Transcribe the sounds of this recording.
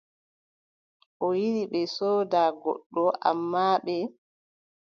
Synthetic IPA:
ʔɔjiɗiɓɛsɔːdaːɡɔ̰ɗːɔʔa̰mːaːɓɛ

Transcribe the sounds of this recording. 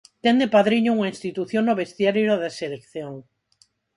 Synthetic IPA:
t̪end̪epaðɾiɲouŋaĩnst̪it̪uθjonːoβest̪jaɾeɾoðeselekθjoŋ

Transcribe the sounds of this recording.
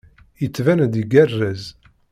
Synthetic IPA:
jət͡sːvænd̪iɡærːæz

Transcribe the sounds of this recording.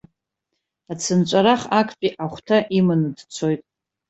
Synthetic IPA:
at͡sʰɨnt͡ʃʷʼaɾaχakʼʰpʼiʔaχʷtʰaʔimɨnɨdt͡sʰo̞jtʼ

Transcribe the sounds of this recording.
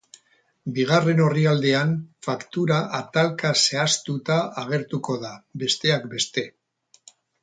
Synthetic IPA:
biɣ̞are̞no̞riald̪e̞anfakt̪uɾaʔat̪alkase̞ast̪ut̪aaɣ̞e̞ɾt̪uko̞ðabe̞st̪e̞akbe̞st̪e̞

